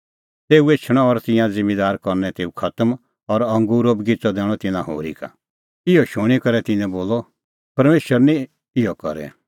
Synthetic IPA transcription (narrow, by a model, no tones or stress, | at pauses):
t̪eːuet͡ʃʰɽ̃ɔːɾt̪ɪ̃jãd͡zɪ̃mːid̪aːɾkɔɾnɛ̃t̪eːukʰɐt̪əm | ɔɾɐ̃ŋɡuːɾobɡɪt͡sɔd̪ɛ̃ːɔ̃t̪ɪnãɦo̰ːɾḭka̰ | ɪjɔʃʊɽ̃ikɐɾɛt̪ɪnɛ̃boːlɔ | pɐɾmeːʃəɾnĩ | ɪjɔkɐ̰ɾɛ̰